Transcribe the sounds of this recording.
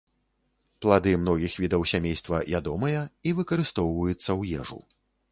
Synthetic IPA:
plˠad̪ɨmnɔɣʲixvʲid̪ɐwsʲamʲejst̪vɐvʲad̪ɔmɐjɐivɨkɐɾɨst̪ɔwvɐjut̪sːɐwjɛʐṵ

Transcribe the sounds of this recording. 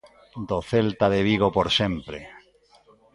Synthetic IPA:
d̪oθelt̪aðeβiɣ̞opoɾsẽmpɾe

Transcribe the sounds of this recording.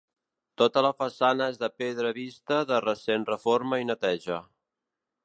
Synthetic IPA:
t̪ot̪ələfəsanəezðəpeðɾəβist̪əðərəsenrəfoɾməinət̪ɛʒə

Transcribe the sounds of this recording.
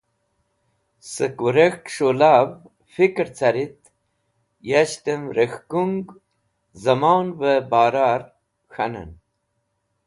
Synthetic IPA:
səkuɾexʈʂolaːv | fikɾt͡sʰaɾit̪ | jaɕt̪əmɾəxkuŋɡ | zɐmawnvəbaːɾaɾ | xanə̰n

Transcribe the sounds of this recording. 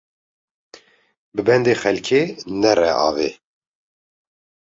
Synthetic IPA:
bɨbɛnd̪eːxɛlkʰeːnɛrɛ̰ʔɑ̰ːveː

